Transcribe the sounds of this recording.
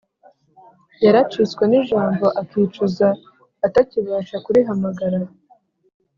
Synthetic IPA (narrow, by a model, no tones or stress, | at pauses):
jaɾat͡ʃit͡skweniʒaːmbo̞ʔakiːt͡ʃuzaː | taciβaːʃakuɾiɦamaɡaɾa